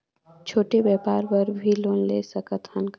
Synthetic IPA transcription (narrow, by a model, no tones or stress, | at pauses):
t͡ʃʰoːʈebjɛːpaːɾpəɾbʱiloːnlḛːsəkət̪hənk